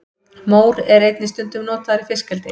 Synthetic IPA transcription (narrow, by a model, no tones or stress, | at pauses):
moːwɾɛɾejt̪nɪst̪ʏnt̪ʏmnoːt̪aðaɾifɪskɛlt̪ɪ